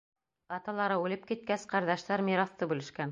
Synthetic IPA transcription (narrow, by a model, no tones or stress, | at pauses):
ɑt̪ɑlˠɑɾɤʉlɘp̚kit̪̚kæsqɑɾðɑʃt̪ɑɾmʲiɾɑθt̪ɤbʉlɘ̆ʃkæn